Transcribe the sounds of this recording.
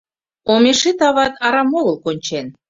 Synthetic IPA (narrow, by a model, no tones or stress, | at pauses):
omeʃit̪ɑβɑt̪ʰɑɾɑmoɣəlkonʲt͡ɕen